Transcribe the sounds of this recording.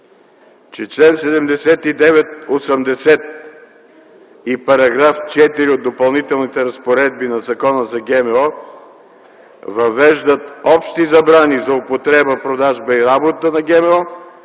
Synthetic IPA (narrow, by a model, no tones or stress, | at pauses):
t͡ʃɛt͡ʃlɛnsɛd̪ɛmd̪ɛsɛt̪id̪ɛvɛt̪̚osəmd̪ɛsɛt̪̚ | ipɐɾɐɡɾaft͡ʃɛt̪iɾiod̪ːopɐlˠnit̪ɛlˠnit̪ɛɾɐspoɾɛd̪̚binɐzɐkɔnəzɐɡɛmɛɔ | vɐvɛʒd̪ət̪ɔpʃt̪izɐbɾanizɐʊpot̪ɾɛbəpɾod̪aʒbəiɾabot̪ənɐɡɛmɛɔ